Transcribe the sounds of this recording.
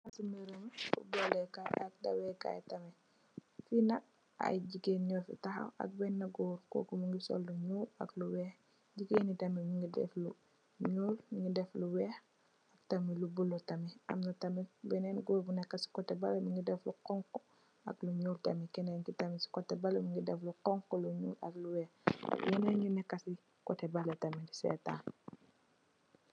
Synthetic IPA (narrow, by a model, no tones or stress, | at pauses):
ɐsumeɾəmfṵbɔlɛkaɐk̚dɐwɛka̰jtɐmɛ | finɐk̚ | ɐ̰jɟiɡeːnɲɔfḭtɐxɐ̰wɐ̰k̚bɛnːɐɡuːɾkɔ̰ːkumuŋɡisɔ̰lːuɲuːɾɐ̰kluwɛːx | ɟiɡeːnitɐmimiŋɡidɛ̰flu | ɲuːliŋɡidɛfluwɛːx | ɐk̚tɐmilubulːutɐmiɐ̰mnɐtɐmibɛnɛːnɡobunɛkːɐsi̥kɔtɛbɐlɐmiŋɡidɛfluqɔŋkɔ | ɐ̰kluɲuːɾtɐmikɛnɛːnkitɐmisi̥kɔtːɛbɐlɐmiŋɡidɛfluqɔŋkɔluɲṵːlɐ̰kluwɛːxjɛnɛnɡinɛkːɐsi | kɔtɛbɐlɐtɐmidisɛ̰ːta̰ːn